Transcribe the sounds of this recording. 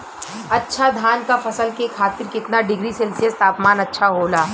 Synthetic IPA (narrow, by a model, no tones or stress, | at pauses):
ɐtːʃʰad̪ʱaːnkafɐsəlkekʰaːt̪ɪɾkɪt̪naɖɪɡɾisɛlsɪəst̪aːpmaːnɐtːʃʰaɦoːlaː